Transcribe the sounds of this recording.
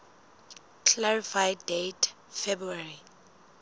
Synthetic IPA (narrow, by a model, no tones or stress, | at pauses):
kʰlaɹifajddejtʰ | fɛbɾuaɹi